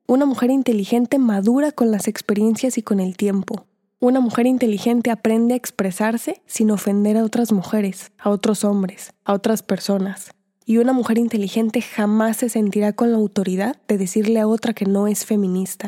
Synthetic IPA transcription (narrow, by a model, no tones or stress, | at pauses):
unamuxe̞ɾint̪e̞lixe̞nt̪e̞maðuɾako̞nlase̞kspe̞ɾje̞nsjasiko̞ne̞lt̪je̞mpo̞ | unamuxe̞ɾint̪e̞lixe̞nt̪e̞apɾe̞nd̪e̞aekspɾe̞saɾse̞sino̞fe̞nd̪e̞ɾao̞t̪ɾazmuxe̞ɾe̞sao̞t̪ɾo̞so̞mbɾe̞sao̞t̪ɾaspe̞ɾso̞nas | iunamuxe̞ɾint̪e̞lixe̞nt̪e̞xamasːe̞se̞nt̪iɾako̞nlaːwt̪o̞ɾiðaðːe̞ðesiɾle̞ao̞t̪ɾake̞no̞e̞sfe̞mĩnist̪a